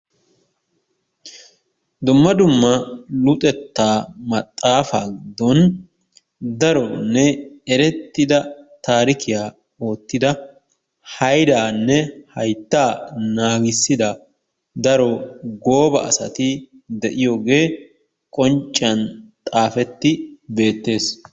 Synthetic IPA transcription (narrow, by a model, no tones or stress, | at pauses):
d̪ʊmːɐd̪ʊmːɐlʊt̪ʼɛt̪ːaːmɐt̪ʼːaːfa̰ːɡɪd̪ːɔn | d̪ɐɾɔnːɛɛɾɛt̪ːɪd̪ɐt̪aːɾɪkɪjaː | o̞ːt̪ːɪd̪ɐ | hɐjd̪aːnːɛhɐjt̪ːaːnaːɡɪsːɪd̪ɐ | d̪ɐɾɔɡoːbɐ̰ʔɐ̰sɐ̰t̪ɪ | d̪ɛʔɪjoːɡe̞ː | kʼɔnt͡ʃʼːɐnt̪ʼaːfɛt̪ːɪbe̞ːt̪ːe̞ːs